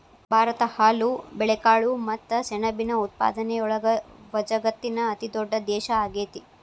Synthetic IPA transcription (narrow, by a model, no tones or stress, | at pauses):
bʱaːɾɐt̪ɐhaːlubɛɭɛkaːɭumɐt̪ːɐsɛɳɐbinɐut̪̚pa̰ːd̪ɐneɔɭɐɡɐʋɐd͡ʒɐɡɐt̪ːinɐːt̪id̪ɔɖːɐd̪ɛːʃɐaːɡeːt̪i